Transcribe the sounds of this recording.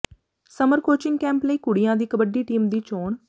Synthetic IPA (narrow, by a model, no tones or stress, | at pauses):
səməɾkoːt͡ʃɪŋɡkɛ̃ːmpləiːkʊɽɪjãːd̪iːkəbəɖiːʈiːmd̪iːt͡ʃoːn